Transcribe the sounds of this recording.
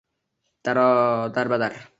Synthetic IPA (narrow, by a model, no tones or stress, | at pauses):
t̪aɾɔd̪aɾbad̪aɾ